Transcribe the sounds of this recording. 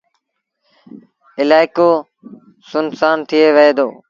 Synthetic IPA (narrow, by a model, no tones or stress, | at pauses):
ɪlaːɪkoː | sʊnsaːnt̪ʰɪeːʋəɦeːd̪o̰ː